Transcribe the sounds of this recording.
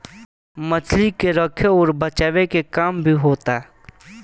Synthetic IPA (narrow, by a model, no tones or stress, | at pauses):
mət͡ʃʰlikeɾəkʰeɔːɾbət͡ʃaːʋekekaːmbʱiɦoːt̪a